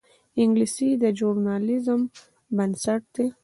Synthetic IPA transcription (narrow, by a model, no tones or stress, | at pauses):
ɪŋɡlisid̪əd͡ʒuɾnɑlɪzəm | bənsaʈ̚d̪̥e